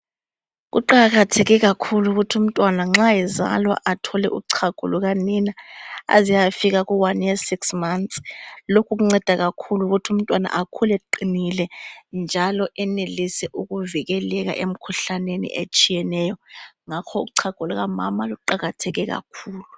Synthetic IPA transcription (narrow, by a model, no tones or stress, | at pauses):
ɣ̬ṵǃaɣatʰɛɣɛɣakʰuluɣutʰium̩tʼwanaŋ͡ǁajɛza̰lwa̰ʔatʰɔlɛ̰ʔṵǀʰaɡ̥ʱṵluɣaninaa̰zijafiɣaɣuwanjesiksmansʼlokʰuɣ̬uŋ͡ǀɛd̥ʱaɣakʰuluɣutʰium̩tʼwana̰ʔakʰulɛǃinilɛnd͡ʒʱalɔʔɛnelisɛʔuɣuviɣɛlɛɣa̰ʔem̩kʰuɬanenḭʔet͡ʃʼijɛnɛːjɔŋakʰɔuǀʰaɡ̥ʱuluɣamamaluǃaɣatʰɛɣɛɣa̰kʰuːlu